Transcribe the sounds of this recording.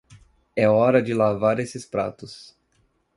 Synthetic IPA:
ɛɔɾɐd͡ʒɪlavaɾesɪspɾa̰t̪ʊs

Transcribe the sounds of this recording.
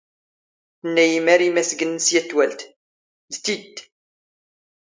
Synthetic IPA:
θənːæjimæɾimæsɡənːəsjæt̪ːwælt̪ | ðθid̪

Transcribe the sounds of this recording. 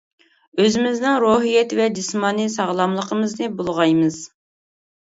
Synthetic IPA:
øzɪmɪznɪŋɾoɦijɛt̪vɛd͡ʒismɑːnisɑʁlˠɑmlˠəqʰəmɨznɨbolˠʁɑjmɨz̥

